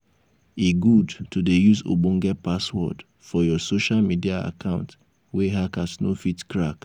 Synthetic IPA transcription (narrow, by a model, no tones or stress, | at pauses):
iɡudtudejuzo̰bɔ̃ŋɡɛpaswɔ̰d | fɔjɔsoʃalmidiaa̰kʰãʊ̃nt | weɦakasno̰fitkɹak